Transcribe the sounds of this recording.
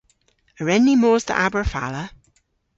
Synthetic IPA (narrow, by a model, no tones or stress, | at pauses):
əɹɛnːimoːz̥tʰə̰ʔabəɹfa̰lə